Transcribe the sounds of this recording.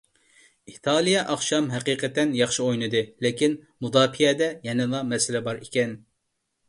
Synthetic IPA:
it̪ʰɑlˠijɛʔɑχʃɑmɦɛqiːqət̪ɛnjɑχʃiojnɨd̪ɨlɪkʲinmud̪ɑːpʰijɛd̪ɛjɛnɨlˠɑmɛsɪlɛbɑɾikʲɛn

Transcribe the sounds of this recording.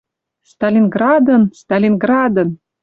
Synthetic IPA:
st̪alʲinɡrɑd̪ə̆nst̪ɑlʲinɡrɑd̪ə̆n

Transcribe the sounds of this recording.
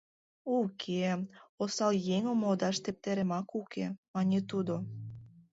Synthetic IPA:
ukʰeosɑljeŋəmod̪ɑʃt̪ep̚t̪eɾĕmɑkukʰemɑnʲet̪ud̪o

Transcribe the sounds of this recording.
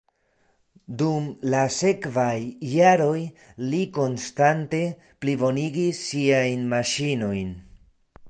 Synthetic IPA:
dumlase̞kvajːaɾo̞jliko̞nstante̞ | plibo̞niɡisːiajnmaʃino̞jn

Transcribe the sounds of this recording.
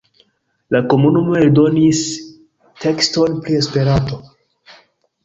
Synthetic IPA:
lako̞munumo̞eldo̞nis | tʰe̞ksto̞npɾie̞spe̞ɾanto̞

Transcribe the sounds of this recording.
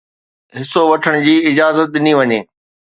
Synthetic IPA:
ɦɪsoʋɐʈʰəɽ̃ʊd͡ʑiːɪd͡ʑaːzət̪̚ɪniʋɐɲeː

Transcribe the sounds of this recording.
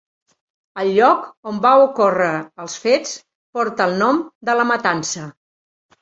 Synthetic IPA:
əlˠʎːɔkombawukorəːlˠsfet͡s | pɔɾt̪əːlˠnɔmd̪ələmət̪ansə

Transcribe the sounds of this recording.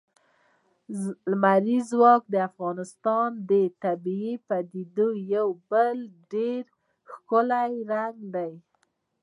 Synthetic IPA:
lmaɾizwɑk̚d̪əafɣɑnɪst̪ɑnd̪ət̪abiipad̪id̪ojawbəlɖeɾ | xkʊlajɾaŋɡd̪aj

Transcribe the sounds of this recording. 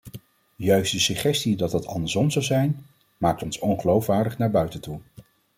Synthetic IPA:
jœɥstdəsəχɛstidɑt̚dɑtʰɑ̰ndəɹsɔmzɑwzɛjn | maːk̚tɔnsɔnχəlowfʋaːɹdəχnaːɹbœɥtəntu

